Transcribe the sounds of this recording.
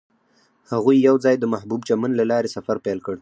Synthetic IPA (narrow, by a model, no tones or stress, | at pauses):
haɣujːawzɑjd̪əmahbubt͡ʃamanlalɑɾesafaɾpɛlkəɽ